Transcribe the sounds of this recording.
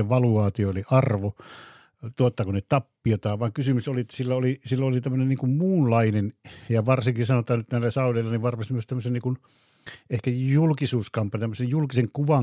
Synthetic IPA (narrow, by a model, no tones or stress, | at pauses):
eʋʋɑluɑːt̪ioeliɑrʋo | t̪uot̪ːɑkunet̪ɑpːiot̪ɑːʋʋɑːŋkysymysoliet̪ːæ̥silːæolisilːoolit̪æmːønenniːŋkummuːnlɑinenjɑʋɑrsiŋkisɑnot̪ɑːnyt̪næˑilːæsɑˑuleilːɑniʋʋɑrmɑst̪imyøst̪æmːøsenniːkun | ehkæjulkisuːskɑmpɑnit̪æmːøsejjulkiseŋkuʋɑŋ